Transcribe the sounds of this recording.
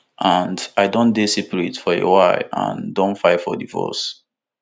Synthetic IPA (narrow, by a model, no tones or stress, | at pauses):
ʔãndaɪdõndesipəɹetfɔḛwaɪã̰ndõnfaɪfɔdivɔ̰s